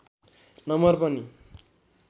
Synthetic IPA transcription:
nʌmʌrpʌni

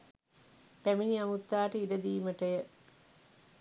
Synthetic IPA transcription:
pæminiɐmut̪ːaːʈəiɖɐd̪iːməʈɐjə

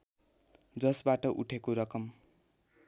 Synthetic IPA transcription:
d͡zʌsbaʈʌʔṵʈʰekoɾʌkʌm

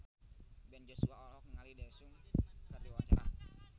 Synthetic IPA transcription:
bɛnd͡ʒosuaɔlhɔk̚nəŋalidasuŋkadiwawat͡ʃaɾa̰

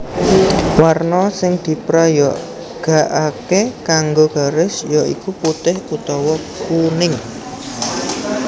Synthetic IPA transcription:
warnɔsɪŋd̪̥i̤pɾajɔʔ | ɡ̥a̤ʔakekaŋɡoɡ̥a̤ɾɪsjɔʔḭkuput̪ɪhkut̪ɔwɔkunɪŋ

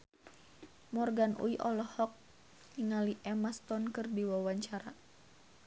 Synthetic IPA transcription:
mɔrɡanʔṵiʔɔlɔhɔk̚ | niŋaliʔɛmast̪ɔnkɨrdiwawaɲt͡ʃaɾa

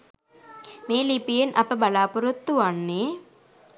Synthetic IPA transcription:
meːlipijenʔɐpəbɐlaːpuɾut̪ːuʋanːeː

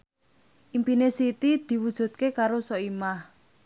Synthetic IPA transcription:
ʔimpinesit̪id̪̥i̤wud̥ʒ̥ṳt̪̚kekaɾosɔimah

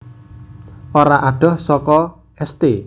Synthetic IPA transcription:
oɾaʔaɖ̥ɔ̤hsɔkɔ | ɛst̪e

